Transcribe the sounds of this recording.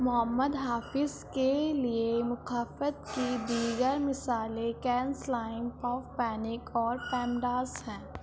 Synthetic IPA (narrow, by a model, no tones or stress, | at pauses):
mʊɦəmːəd̪ɦaːfɪzkeliemʊxaːfət̪kid̪iːɡəɾmɪsaːlekɛ̃ːnslaːɪmpɔpɛːnɪkɔːɾpɛːmɖaːzhɛ̃ː